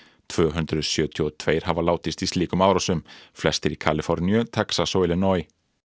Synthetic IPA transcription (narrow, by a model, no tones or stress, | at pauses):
t̪ʰv̥œːɦʏnt̪ɾʏðsjœːt̪ʰjɔɔt̪ʰv̥eːjɾ̥havalaːwt̪ɪst̪ist̪liːkʏmaːwɾasʏmflɛst̪ɪɾikʰaːlɪfɔɾnjʏt̪ʰɛksasoːwɪlɪnɔj